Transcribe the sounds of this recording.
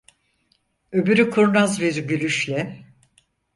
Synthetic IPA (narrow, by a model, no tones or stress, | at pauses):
øbyɾykʰuɾnazbiɾɟylʲyʃlʲɛ